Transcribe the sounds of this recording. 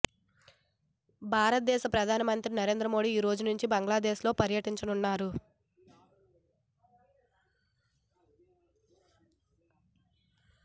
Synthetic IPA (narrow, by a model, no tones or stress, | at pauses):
bʱaːɾɐt̪̚d̪ɛːʃɐpɾɐd̪ʱaːnɐmɐnt̪ɾinɐɾe̞ːnd̪ɾɐmo̞ːɖiːɾo̞ːd͡ʒunuɲt͡ʃibɐŋɡɭaːd̪eːslo̞ːpɐɾjɐʈiɲt͡ʃɐnunːaːɾu